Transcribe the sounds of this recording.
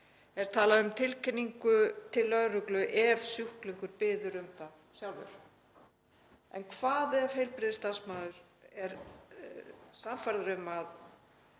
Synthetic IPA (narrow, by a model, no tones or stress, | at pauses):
ɛɾ̥t̪ʰaːlaðʏmt̪ʰɪlkʰɛnːiŋkʏt̪ʰɪlːœðɾʏklʏʔɛv̥sjʏhkliŋkʏɾpɪːðʏɾʏmθaðsjawlvʏ̰ɾ̥ | ɛ̰nkʰvaːðɪav̥hejlpɾɪðɪst̪ansmaːðʏɾ̥ɛɾ | samfaɾðʏɾʏmað